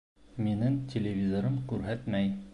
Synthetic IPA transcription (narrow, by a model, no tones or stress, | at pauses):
minɘŋtʲelʲevʲizoɾɤmkʉɾɦæt̪mæj